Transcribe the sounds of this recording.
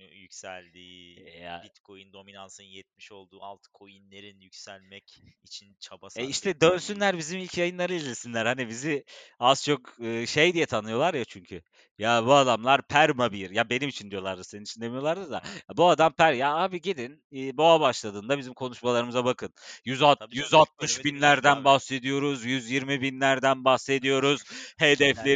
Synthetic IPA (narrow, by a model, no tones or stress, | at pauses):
jycʲsælʲd̪iːja̰bit̪kʰo̞jind̪o̞minansɯnjɛt̪̚miʃo̞lˠd̪uːalˠt̪ʰɯ̥kʰo̞jinlʲeɾinjycsælʲmɛcit͡ʃʰint͡ʃʰabasɛiʃt̪ʰɛd̪ønsynlʲæɾbizimilʲcʰjajɯnlˠaɾɯizʲlʲesinlʲæɾhanibiziaz̥t͡ʃʰo̞kɯːʃejd̪ijɛt̪ʰanɯjo̞lˠaɾjat͡ʃʰyɲcʰy | jabuad̪amlˠaɾpʰæɾmabiɾjabe̞nimit͡ʃʰind̪ijo̞lˠaɾd̪ɯzseninit͡ʃʰind̪emijo̞lˠaɾd̪ɯzja̰abuad̪ampʰæɾjaaːbiɟed̪inː | boabaʃlˠad̪ɯːnd̪abizimkʰo̞nuʃmalˠaɾɯmɯzabakʰɯnjyzat̪jyzat̪̚mɯʃbinlʲæɾd̪ænbahse̞d̪ijo̞ɾuzjyzjiɾmibinlʲæɾd̪ænbahse̞d̪ijo̞ɾuz̥hed̪ɛflʲe